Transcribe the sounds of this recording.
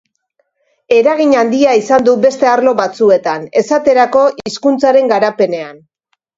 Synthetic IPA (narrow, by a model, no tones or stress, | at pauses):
e̞ɾaɣ̞iɲand̪iaisand̪ube̞st̪e̞aɾlo̞βat͡sue̞t̪ane̞sat̪e̞ɾako̞ʔiskunt͡saɾe̞ŋɡaɾape̞ne̞an